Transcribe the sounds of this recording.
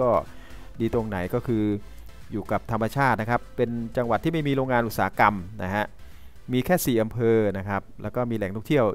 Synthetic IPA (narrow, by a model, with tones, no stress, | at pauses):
kɔː˥˩diː˧t̪o˧ŋna˩˦jkɔː˥˩kʰɯː˧ | juː˨˩ka˨˩p̚t̪ʰa˧mːa˧t͡ɕʰaː˥˩t̪̚na˦˥kʰa˦˥pːe˧nt͡ɕa˧ŋwa˨˩t̪ʰːiː˥˩ma˥˩jmiː˧ɾoː˧ŋːaː˧nʔu˨˩t̪saː˩˦˥ka˧mna̰˦˥ɦʰa˦˥ʔ | miː˧kʰɛː˥˩siː˨˩ʔa˧mpʰɤː˧na˦˥kʰa˦˥p̚lɛː˦˥wkɔː˥˩miː˧lɛ˨˩˦ŋʰɔ˥˩ŋt̪ʰi˥˩əw